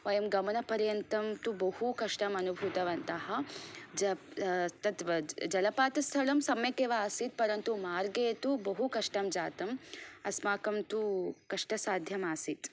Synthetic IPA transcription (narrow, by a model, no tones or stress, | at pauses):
ʋɐjɐmɡɐmɐnɐpɐɾjɐnt̪ɐmt̪ubɐhukɐʂʈɐmɐnubʱut̪ɐʋɐnt̪ɐɦɐd͡ʒɐt̪ɐt̪ʋɐd͡ʒɐlɐpaːt̪ɐst̪ʰɐɭɐmsɐmjɐkeːʋɐaːsit̪̚pɐɾɐnt̪umaːɾɡeːt̪ubɐɦukɐʂʈɐmd͡ʒaːt̪ɐmɐsmaːkɐmt̪ukɐʂʈɐsaːd̪ʱjɐmaːsit̪